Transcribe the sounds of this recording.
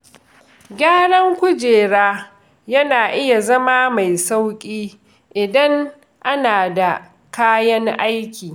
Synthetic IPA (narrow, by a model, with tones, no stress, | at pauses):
ɡʲaː˦ɽɐ˦ŋkʷʊ˦d͡ʒeː˨ɽaː˦ | jɐ˦naː˨ʔɪ˦ja˨zɐ˦maː˦ma˨jsa˦wkʲʼiː˦ | ʔɪ˨dɐ˦ŋ | ʔa˦naː˨da˨ | kaː˦jɐ˦ŋʔa˦jkʲiː˨